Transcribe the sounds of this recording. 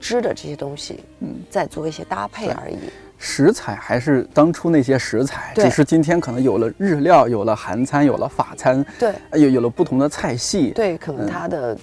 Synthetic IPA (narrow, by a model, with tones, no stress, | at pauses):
ʈ͡ʂɻ̩˥də˨ʈ͡ʂɤ˥˩ɕjɛ˥t̪ʊ˥ŋɕḭ˨˩ | n̩˥˩t͡sa˥˧ɪt͡swɔ˥˧i˥˩ɕjɛ˥t̪a˥pʰe˥˧eɪ˥ə̰˩˧˥ḭ˨˩˦ | ʂɻ̩˧˥t͡sʰa˨˩ɪxa˧˥ɪʂɻ̩˥˩t̪ɑ˥ŋʈ͡ʂʰu˥ne˥˩ɪɕ̬jɛ˥ʂɻ̩˧˥t͡sʰa˨˩˦ɪt̪ʈ͡ʂɻ̩˨˩ʂɻ̩˥˩t͡ɕi˥nt̪ʰjɛ˥nkʰɤ˨˩nɤ˧˥ŋjo˨˩ʊlə˦ɻɻ̩˥˧ljɑ˥˩ʊjo˨˩ʊlə˦xa˧˥nt͡sʰa˥njo˨˩ʊlə̰˦fa˨˩t͡sʰa˥nt̪we˥˩ɪjo˨˧ʊjo˨˩lə˦pu˥˩t̪ʰʊ˧˥ŋd̪ə˧t͡sʰa˥˧ɪɕi˥˩t̪we˥˩ɪkʰə˨˩˧n˧˥˩t̪ʰa˥d̪ə˨